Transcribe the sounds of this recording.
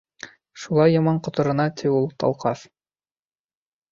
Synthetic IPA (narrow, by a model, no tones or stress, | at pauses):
ʃulˠɑjːɑmɑɴqŏt̪ŏɾɤ̆nɑt̪ʰiulˠt̪ɑ̰lˠqɑθ